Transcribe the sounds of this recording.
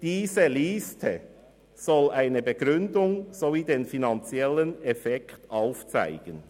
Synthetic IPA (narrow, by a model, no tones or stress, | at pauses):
d̥iːzəliːstʰə | z̥ɔlʔaɪnəbəɡʁʏndʊŋz̥oviːdeːnfinant͡sjɛlənɛfɛktaʊft͡sa̰ɪɡ̥ən